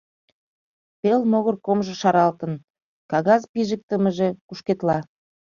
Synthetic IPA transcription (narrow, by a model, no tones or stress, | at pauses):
pelmoɣərkomʒɤ̆ʃɑɾɑlt̪ə̆n | kɑɣɑzpiʒək̚t̪əməʒekuʃket̪lɑ